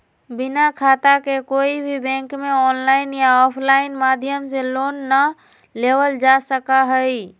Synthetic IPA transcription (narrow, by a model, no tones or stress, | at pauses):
bɪnakʰaːt̪akekoːibʱibɛ̃ːŋkmẽɔːnlaːɪnjaɔːpʰlaːɪnmaːd̪ʱjəmseloːnːə | leːʋəld͡ʒasəkaɦəi